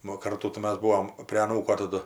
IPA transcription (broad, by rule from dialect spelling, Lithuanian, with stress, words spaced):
ˈnʊ oː ˈkɐrtuː tɐɪ ˈmɐs ˈbuːoːm pʲrʲeː ɐˈnuːkoː tɐˈdʊ